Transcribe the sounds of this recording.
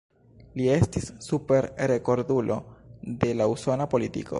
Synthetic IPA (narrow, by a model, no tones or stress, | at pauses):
lie̞stisːupe̞ɾɾe̞ko̞ɾdulʔo̞̰de̞lauso̞napo̞litḭko̞̰